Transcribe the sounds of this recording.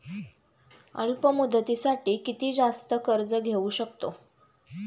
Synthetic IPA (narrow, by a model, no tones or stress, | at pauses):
ə̰ɭpəmud̪ʱːət̪isaʈiːkit̪iːd͡zast̪əkəɾd͡zəɡʱeuɕəkt̪o